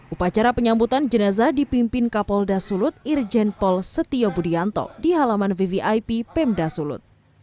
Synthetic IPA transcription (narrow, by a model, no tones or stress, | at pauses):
ʔupat͡ʃaɾapəɲambut̪and͡ʒənazadipimpɪnkapɔldasulʊt̪̚ird͡ʒɛnpɔlsət̪iɔbudiant̪ɔ̰diɦalamanviviʔajpipɛmdasulʊ̰t̪̚